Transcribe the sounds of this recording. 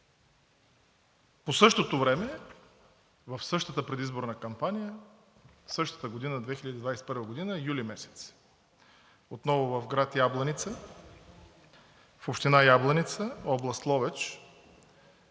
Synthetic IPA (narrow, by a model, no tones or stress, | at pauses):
posɤʃt̪ot̪ovɾɛmɛ | vəfsɤʃt̪ət̪əpɾɛd̪izboɾnəkɐmpanijə | sɤʃt̪ə̥t̪əɡod̪inəd̪vɛxilʲəd̪id̪vajsɛ̥pəɾvəɡod̪inəjulimɛsɛ̥t̪s | ot̪nɔvʊvəfɡɾat̪jablˠɐnit̪sə | fopʃt̪inajablˠɐnit̪səɔblˠɐst̪lˠɔvɛt͡ʃ